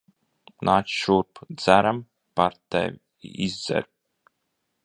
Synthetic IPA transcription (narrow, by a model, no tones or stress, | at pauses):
nʔaːt͡ʃʲʃuɾpd̪zæɾam | paɾt̪ɛ̰vʲ | izd̪zɛ̰ɾ